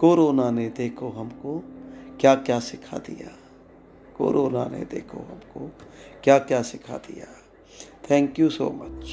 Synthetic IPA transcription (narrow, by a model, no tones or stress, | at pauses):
koːɾoːnaned̪eːkʰoɦɐmkokjaːkjaːsɪkʰa̰d̪ḭja̰ː | ko̰ːɾʔoːna̰nḛd̪ḛːkʰo̰ɦɐmkokjaːkjaːsɪkʰa̰d̪ḭjaː | t̪ʰɛ̃ːŋkjuso̰ːmɐt͡ʃ